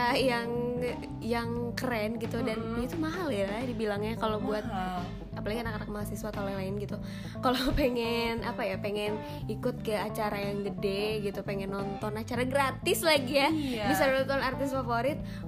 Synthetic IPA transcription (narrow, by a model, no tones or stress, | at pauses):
ajaŋ | jaŋkəɾɛnɡit̪udanit̪umaɦaljaladibilaŋɲakalowbuat̪̚ | apalaɡiənakanakəmaasiswat̪alalaɪnɡit̪u | kalopeŋɛna̰pajapeŋɛn | ikʊt̪̚kəat͡ʃaɾajaŋɡədeɡit̪upeŋɛnːɔnt̪ɔnat͡ʃaɾaɡɾat̪ɪslaɡijabisat̪ɔnart̪ɪsfafoɾɪt̪̚